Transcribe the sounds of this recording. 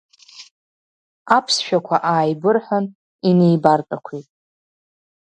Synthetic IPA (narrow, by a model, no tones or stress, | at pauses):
apʰsʃᶣakʷʰaʔaːjbɨrħʷan | ine̞jbartʼakʷʰitʼ